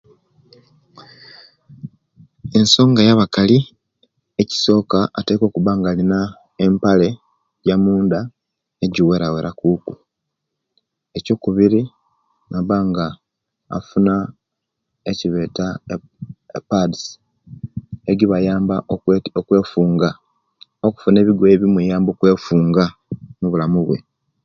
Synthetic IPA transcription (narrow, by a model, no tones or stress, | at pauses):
e̞nso̞ːŋɡajaβakali | eci̥so̞ːkaːte̞ːko̞ːkuβaːŋɡalina | empale̞ | ɟamuːnd̪a | eɟiwe̞ɾaweɾakuːku̥ | e̞co̞ːkuβiɾi | naβaːŋɡa̰ː | funa | eciβe̞ːta | pads | eɡiβajaːmbaokwe̞ːfuːŋɡa | oku̥fune̞ːβiɡweβimwujaːmbo̞kwe̞ːfuːŋɡa | muβulamuβwe̞̰